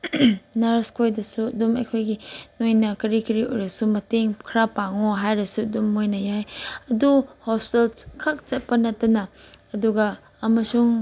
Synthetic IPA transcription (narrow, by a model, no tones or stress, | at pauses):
naɾskojdɐsuɐdumɐ̰jkʰojɡinojnɐkɐɾikiɾiojɾɐsumɐteŋkʰɾapaŋoɦajɾɐsuɐdumːojnɐjajɐduhospi̥telkʰɐk̚t͡ʃɐt̚pɐnɐtːɐnɐːduɡɐː | mɐsuŋ